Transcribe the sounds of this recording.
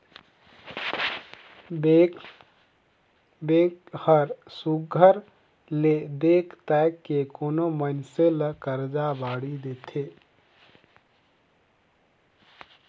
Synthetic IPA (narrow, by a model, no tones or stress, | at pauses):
behəɾsuɡʱəɾ | led̪ekʰt̪akːekoːnomənseləkəɾd͡ʒabaɽid̪et̪ʰe